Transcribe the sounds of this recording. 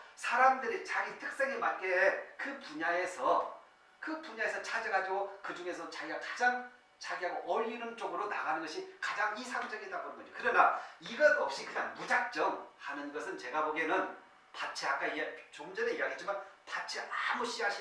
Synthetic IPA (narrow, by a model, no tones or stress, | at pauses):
sʰaɾamdɯɾit͡ɕaɡitʰɯk̚s͈e̞ŋemat̚k͈ekɯpuɲae̞sʰʌ | kɯpuɲae̞sʰʌt͡ɕʰad͡ʑʌɡad͡ʑiɡokɯd͡ʑuŋe̞sʰʌt͡ɕaɡiɡakad͡ʑaŋ | t͡ɕaɡiɦaɡoʔʌʎːinɯnd͡ʑoɡɯɾona̰ɡanɯnɡʌɕʰikad͡ʑaŋisʰaŋd͡ʑʌɡietabonɯnŋɡʌɲd͡ʑokɯɾʌnaiɡʌnʌp̚ɕ͈ikɯɲaŋmud͡ʑak̚t͡ɕ͈ʌŋhanɯnɡʌsʰɯnt͡ɕe̞ɡaboɡenɯn | pat͡ɕʰiak͈aiɡet͡ɕomd͡ʑʌneijaɡiɦet͡ɕimanpat͡ɕʰiʔamuɕ͈iɦaɕʰi